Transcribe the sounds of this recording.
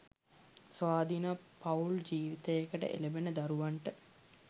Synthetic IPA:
sʋaːd̪inapauld͡ʒiːʋit̪əjekəʈə̰ʔḛlebenəd̪aɾuʋaɳʈə

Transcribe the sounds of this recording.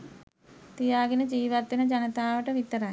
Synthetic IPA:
t̪ijaːɡinɐd͡ʒiːʋɐt̪ːinɐd͡ʒɐnɐt̪aːʋɐʈɐʋit̪ːɐɾaːj

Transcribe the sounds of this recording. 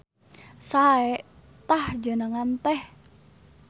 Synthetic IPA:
saeʔ | t̪ahd͡ʒə̤nəŋant̪ɛh

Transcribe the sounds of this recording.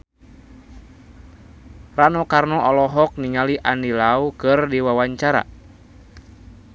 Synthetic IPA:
ranɔkarnɔʔɔlɔɦɔk̚niŋaliʔandilaukɨrdiwawaɲt͡ʃaɾa̰

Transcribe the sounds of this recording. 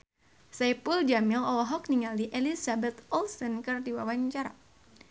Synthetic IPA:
sɛpuld͡ʒamilɔlɔɦɔk̚niŋaliʔelisabɛt̪ɔlsənkɨrdiwawaɲt͡ʃaɾa̰

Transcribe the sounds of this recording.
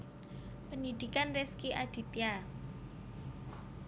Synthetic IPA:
pənid̪̥i̤kanreskiʔad̥i̤t̪ja

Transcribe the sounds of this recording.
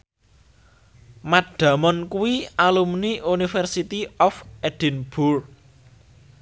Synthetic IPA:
maɖ̥ä̤mɔnkuwialumniʔunifɛrsit̪iɔfɛd̥i̤nb̥ur

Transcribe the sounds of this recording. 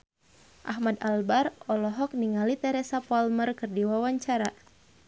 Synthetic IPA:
ʔahmad̪albarɔlɔɦɔk̚niŋalit̪ɛɾɛsapɔalmərkɨrdiwawaɲt͡ʃaɾa

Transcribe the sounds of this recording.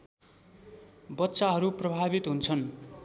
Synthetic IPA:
bʌt̪ːsaɦʌɾuprʌbʱabit̪ɦunt͡sʰʌn

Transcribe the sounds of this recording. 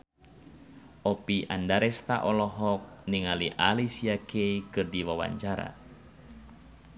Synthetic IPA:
ʔɔpiʔa̰ndaɾɛst̪a̰ʔɔlɔɦɔk̚niŋaliʔalisiakʰeikɨrdiwawa̰ɲt͡ʃaɾa̰

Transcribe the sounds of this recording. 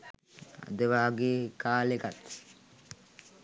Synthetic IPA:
a̰d̪əʋaːɡekaːlekat̪

